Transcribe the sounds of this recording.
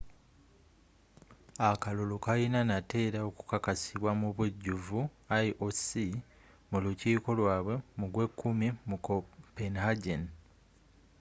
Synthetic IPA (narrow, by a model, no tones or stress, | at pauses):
akalolokajinanate̞ːɾao̞ku̥kakasiβwamuβuɟːuvu | aʔosi | muluciːko̞lwaːβwe̞muɡwe̞kʰːumimukopenhaɟen